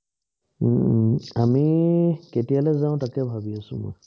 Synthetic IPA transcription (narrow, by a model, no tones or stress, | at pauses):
amiketialɛzaʊ̃takɛbʱabiasʊ̰̃mɔ̰j